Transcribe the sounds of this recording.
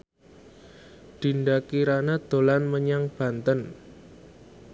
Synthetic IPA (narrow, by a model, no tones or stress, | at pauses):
ɖ̪̥i̤ɳɖakiɾanad̪̥o̤lanməɲaŋb̥ä̤nt̪ən